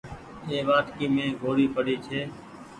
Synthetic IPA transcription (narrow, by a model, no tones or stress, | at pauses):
eːʋaːʈkiːmẽːɡʱoːɾiːpəɽiːt͡ʃʰeː